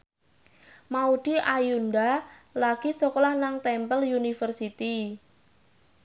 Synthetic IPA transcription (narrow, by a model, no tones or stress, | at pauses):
maud̥iʔajundalaɡ̥isɔkɔlahnaŋt̪ɛmpəljunifərsit̪i